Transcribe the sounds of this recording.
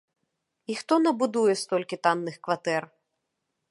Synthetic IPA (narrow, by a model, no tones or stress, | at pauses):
ixt̪ɔnɐbud̪ujɛst̪ɔlʲkʲit̪anːɨxkvat̪ɛr